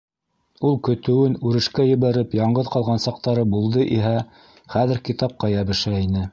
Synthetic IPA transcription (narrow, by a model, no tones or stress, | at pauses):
ulˠkɵ̆t̪ɘ̆wɘnʉɾɘ̆ʃkæjɘ̆βæɾɘpjɑɴɢɤðqɑlˠʁɑnsɑq̚t̪ɑɾɤbulˠd̪ɤʔiɦæ | χæðɘ̆ɾkit̪ɑp̚qɑjæβɘ̆ʃæinɘ